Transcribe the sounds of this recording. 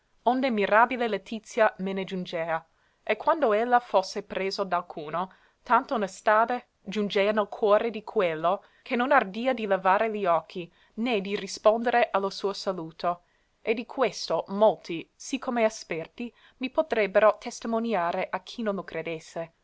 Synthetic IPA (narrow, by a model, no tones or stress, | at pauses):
ond̪emiɾaːbilelet̪it̪sːjamened͡ʒund͡ʒeːa | ekʰːwand̪oelːafosːepɾeːzod̪alkʰuːno | t̪ant̪onest̪aːde | d͡ʒund͡ʒeːanalkʰwɔːɾed̪ikʰwelːo | kʰenːonard̪iːad̪ilevaːɾeliɔkʰːi | ned̪irispond̪eɾeʔalosuːosaluːt̪ʰo | ʔed̪ikʰwest̪omolt̪isikʰːomeaspɛrt̪i | mipot̪ɾɛbːeɾot̪ʰest̪imonjaːɾeʔakʰːinõnlokɾed̪esːe